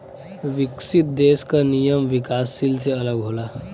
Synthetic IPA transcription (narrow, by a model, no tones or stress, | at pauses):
ʋɪksɪt̪̚d̪eːskanijəmʋɪkaːsːils̬eɐləɡɦoːlaː